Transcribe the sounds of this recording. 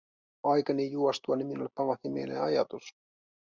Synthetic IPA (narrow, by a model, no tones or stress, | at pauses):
ɑjkɑnijuost̪uɑniminuolepːɑmɑθimḛjnḛɑjɑ̰t̪us